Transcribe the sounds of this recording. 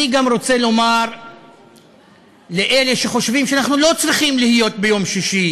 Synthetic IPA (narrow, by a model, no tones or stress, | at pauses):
iɡamʁo̞t͡selo̞maʁ | le̞ʔe̞le̞ʃeχo̞ʃvimʃeanaχnulo̞t͡sʁiχimlihijo̞t̪̚be̞jo̞mʃiʃi